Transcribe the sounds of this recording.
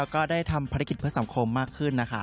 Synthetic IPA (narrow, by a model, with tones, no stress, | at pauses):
ɛ˦˥kɔː˥˩daː˥˩jt̪ʰa˧mpʰaː˧ɾa˦˥k̬i˨˩t̪̚pʰɯ˦˥sa˩˦ŋkʰo˧mːaː˥˩kʰːɯ˥˩nːa˦˥kʰa˦˥